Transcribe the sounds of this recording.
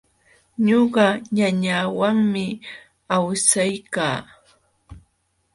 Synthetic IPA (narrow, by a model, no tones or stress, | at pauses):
ɲoɢɑɲaɲaːwaŋmɪ | awsajkaː